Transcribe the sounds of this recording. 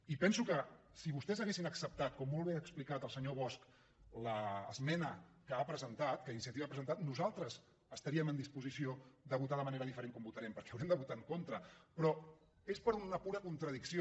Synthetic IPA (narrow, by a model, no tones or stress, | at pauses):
ipɛnsukə | siβust̪ɛzəɣesinəksəp̚t̪at̪̚kɔmːolˠβ̞eəksplikat̪əlˠsəɲoβ̞ɔsk | ləːzmɛnəkəapɾəzənt̪at̪kəinisiət̪iβaːpɾəzənt̪at̪nuzalˠt̪ɾəz | əst̪əɾiəmənd̪ispuzisiod̪əβut̪aðəməneɾəðifəɾeŋkɔmbut̪əɾɛmpəɾkɛəwɾiɛmd̪əβut̪aŋkont̪ɾəpɾɔ | espəɾunəpuɾəkunt̪ɾəðiksio